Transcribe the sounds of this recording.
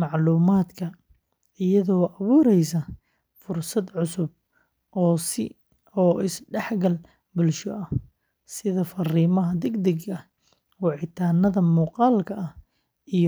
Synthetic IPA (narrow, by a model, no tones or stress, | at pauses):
mɑʕluːmaːd̪kʰɐ | ɪjɐðɔːʔɐβuːɾɛjsɐ | fʊrsɐd̪ʕʊsʊb̚ | ʔɔːsɪ | ɔːɪsɖɛħɡɐl | bʊlʃɔʔɐ | sɪðɐfɐriːmɐɦɐd̪ɛɡd̪ɛɡɐ | wɑʕɪt̪ʰaːnɐðɐmuːqɑːlkʰɐʔɐh | ij